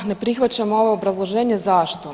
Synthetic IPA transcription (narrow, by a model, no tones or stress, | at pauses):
ne̞pɾixʋat͡ɕamooʋoobɾazlˠo̞ʒeːɲezaʃt̪o